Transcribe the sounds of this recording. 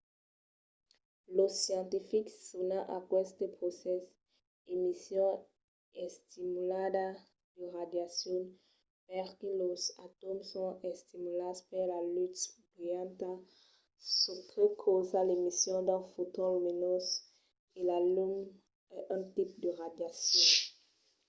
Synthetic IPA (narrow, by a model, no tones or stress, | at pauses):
losjɑ̃nt̪ifikːonaʔakwɛst̪epʁosɛs | emisjɔ̃ | ɛst̪imulad̪a | d̪̥əʁad̪jasjɔn | pɛʁkelosat̪ɔmsɔ̃est̪imulaspeʁlalyt̪ʁjãnt̪a | sukʰekʰozalemisjɔ̃d̪ãfot̪ɔ̃lminɔs | elalum | ʔə̃t̪ip̚d̪əʁad̪jasjɔ̃